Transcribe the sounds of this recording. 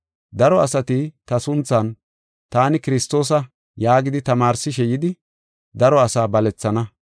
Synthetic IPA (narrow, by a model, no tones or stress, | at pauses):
d̪ɐɾɔɐsɐt̪ɪt̪ɐsʊnt͡sːɐn | t̪aːnɪkɪɾɪst̪o̞ːs̬ɐ | jaːɡɪd̪ɪt̪ɐmaːɾsɪʃ̬ɛjɪd̪ɪ | d̪ɐɾɔɐsaːbɐlɛt͡sːɐnɐ